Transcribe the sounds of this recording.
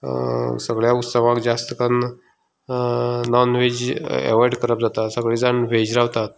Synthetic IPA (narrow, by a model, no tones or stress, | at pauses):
səɡɭjaut̪səʋãkd͡zast̪əkan | nɔnʋed͡ʑɛ̰ʋajɖkəɾəp̚d͡zat̪asəɡɭiːd͡zanʋed͡ʑɾaʋt̪at̪̚